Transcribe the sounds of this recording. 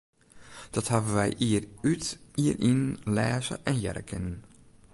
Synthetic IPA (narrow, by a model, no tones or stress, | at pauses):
d̥ɔthavəʋɛjʔiərytiːrʔinlɛːzə̰ʔɛnjɛ̰ɾə̰kʰən